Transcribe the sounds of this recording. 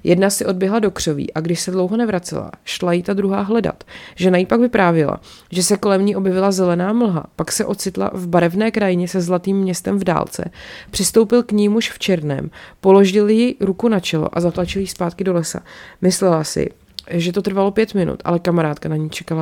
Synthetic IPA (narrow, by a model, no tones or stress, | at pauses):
jʔɛdnasɪʔo̞d̚bjɛɦlado̞kr̝̥ovḭːʔaɡdɪʃsɛdlo̞wɦo̞nɛvɾat͡sɛ̰la̰ʃlajɪt̪ad̪ɾuɦa̰ːɦlɛda̰t̪ʒɛnajipakvɪpɾaːvjɛla̰ | ʒɛsɛko̞lɛmɲiʔo̞bjɛvɪlazɛlɛnaːml̩ɦa̰paksɛʔo̞t̪t͡sɪt̪la̰vbaɾɛvnɛːkɾajɪɲɛsɛzlat̪iːmːɲɛst̪ɛmvda̰ːlt͡sɛ̰pr̥ɪst̪o̞wpɪlkɲimuʃft͡ʃɛɾnɛ̰ːmpo̞lo̞ʒɪljɪɾukunat͡ʃɛlo̞̰ʔazat̪lat͡ʃɪljɪspaːt̪̚kɪdo̞lɛsa̰mɪslɛlasɪ̰ | ʒɛt̪o̞t̪rvalo̞pjɛt̪mɪnṵt̪ʔa̰lɛkamaɾaːt̪kanaɲiːt͡ʃɛ̥kala